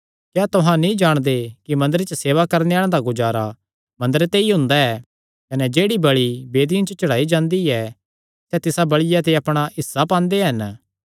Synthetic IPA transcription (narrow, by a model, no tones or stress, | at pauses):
kjaːt̪ʊɦãnĩd͡ʒaːɽ̃d̪ekimɐ̃nd̪əɾet͡ʃəseːʋakɐɾneaːɭ̃ãd̪aɡʊd͡ʒaːɾa | mɐ̃nd̪əɾet̪eiɦʊ̃nd̪aɛ | kɐnɛd͡ʒeːɽibɐɭibeːd̪ijãt͡ʃot͡ʃɐɽ̤aːid͡ʒãːnd̪iɛ | sɛt̪ɪsabɐɭɪjat̪eɐpɽ̃aɦɪsːapãːnd̪eɦɐn